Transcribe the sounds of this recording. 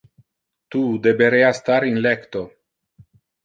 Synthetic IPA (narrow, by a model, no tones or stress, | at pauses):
t̪ud̪ebeɾeast̪aɾinlekt̪o